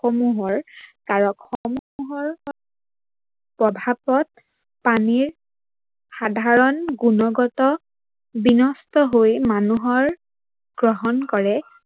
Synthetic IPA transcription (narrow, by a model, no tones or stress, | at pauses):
xɔmuɦɔɹkaɹɔkxɔmuɦɔɹ | pɹɔbʱapɔt̚ | paniɹ | xadʱaɹɔnɡunɔɡɔtɔ | binɔstɔɦojmanuɦɔɹ | ɡ̥ɹɔɦɔnkɔɹɛ